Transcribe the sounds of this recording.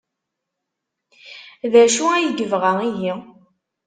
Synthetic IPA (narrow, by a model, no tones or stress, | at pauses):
ðæʃuæjɡəvʁaiji